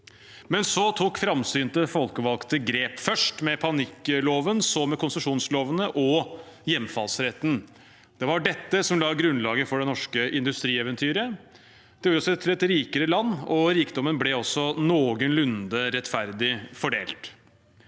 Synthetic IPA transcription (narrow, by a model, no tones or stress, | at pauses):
mɛnsɔt̪ʰuːkfɾɑmsyːnt̪əfɔlkəʋɑlkt̪əɡɾeːpfœʂʈmɛpʰɑnɪkːloːʋənsɔmɛkʊnsəʂuːnsloːʋənəʔɔjɛmːfɑlsɾɛt̪n̩ | d̪̥ɛʋɑɖɛt̪ːəsɔmlɑːɡɾʉnlɑːɡəfɔɖɛnɔʂkəʔɪnd̪ʉst̪ɾiːɛʋənt̪ʰyːɾə | d̪̥ɛuːɾɔsɔɛt̪ʰɪlɛt̪ɾiːkəɾəlɑnːɔɾiːkd̪ɔmːənblɛɔsɔnoːɡənlʉnd̪əɾɛt̪fæɾd̪ɪfɔɖeːlt̪